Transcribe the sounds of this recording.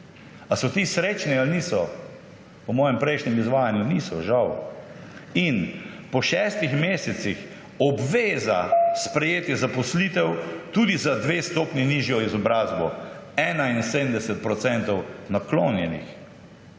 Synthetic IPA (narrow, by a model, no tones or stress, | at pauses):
asɔt̪isɾeːt͡ʃnialniːsɔ | pɔmɔːjɛmpɾɛjʃnɛmizʋaːjanjuniːsɔʒaw | in | pɔʃɛːst̪ixmeːsɛt̪six | ɔbʋeːza̰spɾɛjeːt̪jɛzapɔslit̪ɛwt̪uːd̪izad̪ʋest̪oːpniniːʒjɔizɔbɾaːzbɔɛːnainsed̪md̪ɛsɛt̪̚pɾɔt̪sɛnt̪ɔwnakloːnjɛnḭx